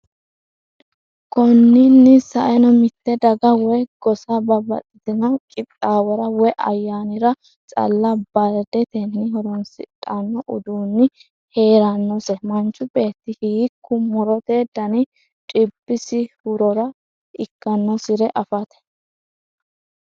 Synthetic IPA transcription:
kʰɔnːɪnːɪsɐʔɛnɔmɪt̪ːɛd̪ɐɡɐwɔjɡ̥ɔsɐbɐbɐ̰tʼɪt̪ɪnɐwkʼɪt̪ʼːaːwɔɾɐwɔjʔɐ̰jːaːnɪɾɐ | t͡sʼɐ̰lːɐbɐɾd̪ɛt̪ɛnːɪhɔɾɔnsɪ̰tʼːɐnːɔʔʊd̪uːnːɪ | he̞ːɾɐnːɔsɛmɐnt͡ʃʼːʊbe̞ːt̪ːɪhiːkʰːʊmʊɾɔt̪eːd̪ɐnɪ | t͡ʃʼɪbːɪsɪhʊɾɔɾɐ | ʔɪkːɐnːɔsɪɾɛʔɐfɐt̪ɛ̥

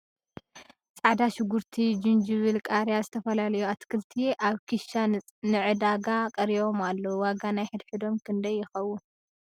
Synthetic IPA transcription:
t͡sʼaʕd̪aʃɪɡuɾt̪ʰid͡ʒɪnd͡ʒɪβɨlkʼaɾjazɨt̪ʰɐfɐlalɐjuat̪kʰɨlt̪ʰiʔaβkʰiʃa | nɨʕɨd̪aɡakʼɐɾiβo̞malːowaɡanajħɨd̪ħɨd̪o̞mkʰɨnd̪ɐjːɪxɐwːun

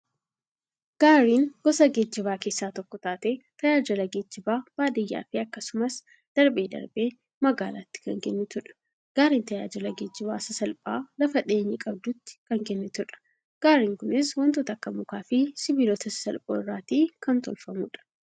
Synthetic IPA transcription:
ɡ̥aːɾiːŋɡ̥ɔsɐɡed͡ʒːɪbaːke̞ːsːaːt̪ɔkːɔt̪aːt̪eːt̪ɐjaːd͡ʒɐlɐɡed͡ʒːɪbaːb̥aːd̪ɪjːa̰ːfɪɐkːɐsʊmɐs | d̪̥ɐɾbe̞ːd̪ɐ̰ɾbe̞ː | mɐɡaːlaːt̪ːɪ̥kɐŋkɛnːɪt̪ʊᶑɐ̥ | ɡ̥aːɾiːnt̪ɐja̰ːd͡ʒɐlɐɡeːd͡ʒːɪba̰ːsɐsɐlpʼaːlɐfɐᶑɪːɲːɪkʼɐb̚d̪ʊt̪ːɪ̥kɐŋkɛnːɪt̪ʊᶑɐ̥ | ɡ̥aːɾiːŋkʊnɪswɐnt̪uːt̪ɐkːɐmʊkaːfɪsɪbiloːt̪ɐsɐ̥sɐlpʼoːɪrːaːt̪iːkɐnt̪ɔ̰lfɐmṵːᶑɐ̥

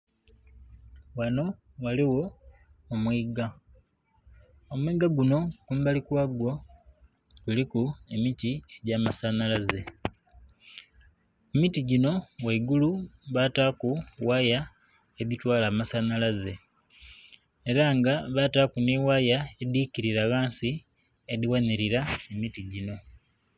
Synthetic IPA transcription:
wano̞ | waliwo̞ | omwiɡa | omwiːɡaɡuno̞kumbalikwaːɡwo̞ | ɡ̥ulikue̞mitieɟaːmasanalaze̞ | emitiɟino̞weɡuluβataːkuwaːja | eβitwaːlaːmasanalaze̞ | eɾaŋɡaβataːkuneːwaːjaediciɾiɾaɣaːnsi | eðiwaniɾiɾaemitiɟino̞

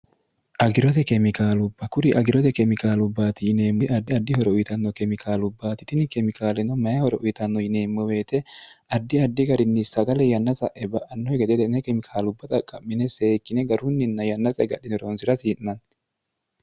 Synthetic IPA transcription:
ʔɐɡɪɾɔt̪ɛkɛmɪkaːlʊbːɐkʊɾɪʔɐɡɪɾɔt̪ɛkɛmɪkaːlʊbːaːt̪ɪjɪne̞ːmːʊʔɐd̪ːɐd̪ːɪhɔɾɛʊjt̪ɐnːɔkɛmɪkʰaːlʊbːaːt̪ɪt̪ɪnɪkɛmɪkaːlɛnɔmɐjɐhɔɾɛʔʊjt̪ɐnːɔjɪne̞ːmːɔwe̞ːt̪ɛɐd̪ːɪɐd̪ːɪɡɐɾɪnːɪsɐɡɐlɛjɐnːɐsɐʔɛbɐʔɐnːɔɛɡɛt̪ɛt̪ɛnɛkɛmɪkʰaːlʊbːɐt̪ʼɐkʼːɐmːɪnɛseːkːɪnɛɡɐɾʊnːɪnːɐjɐnːɐsʼɛ̰ɡɐɗɪnɛɾoːnsɪɾɐsiːʔnɐn

